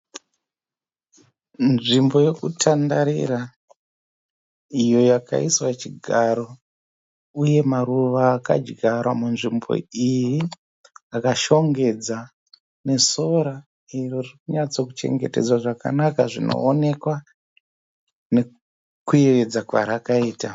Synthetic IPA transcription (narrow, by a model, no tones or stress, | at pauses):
nʐimbo̞je̞kutʰandaɾḭɾa | ijo̞jaka̰iswat͡ʃiɡʱaɾo̞ | uje̞maɾuʋaːka̰d͡ʒɡʱaɾwamunʐimbo̞̰iji | akaʃo̞ŋɡe̞d͡za | ne̞so̞ɾa | iroririkuɲat͡so̞kut͡ʃe̞̰ŋɡete̞̰d͡zwaʐaka̰nakaʐino̞̰ːne̞kwa | ne̞ | kuered͡zakwa̰ɾakaiːta